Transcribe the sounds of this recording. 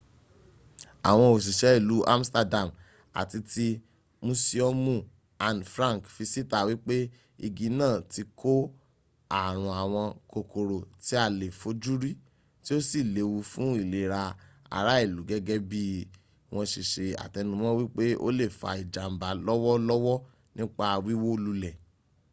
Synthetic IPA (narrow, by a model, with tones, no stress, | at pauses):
a̰˨w̃ɔ̃˧o˨ʃ̬i˨ʃɛ˨˦i˦˨lu˨˦ʔa˦m̩˦sta˧da˨m | a̰˨ti˧ti˧ | mũ˧si˧ɔ˦mũ˦˨ | a˧n˨fɾã˦ŋ˨kfi˧si˦ta˧wi˦k͡pe˦ | i˧˨ɡĩ˨˦nãː˦˨ti˧kʰo˦ | a˦˨ɾ̃ũ˧a˨w̃ɔ̃˧ko˧ko˨ɾo˨ti˨˦a˦˨le˨fo˧˦d͡ʒu˦ɾi˦ | ti˦o˦si˦˨le˨˦wu˧fũ˦i˦˨le˨ɾa˧a̰˨ɾa˨˦i˦˨lu˨˦ɡɛ˦ɡɛ˦bi˦ | w̃ʔɔ̃˧ʃi˨ʃe˧a̰˨tɛ˧nũ˦mɔ̃˦wi˦k͡pe˦o̰˦le˦˨fa̰˧i˨d͡ʒa˨m̩˨ba˨˦lɔ˦wɔ˦lɔ˦wɔ˦ | nĩ˦k͡pa˧wi˦wo˦lu˧lɛ˨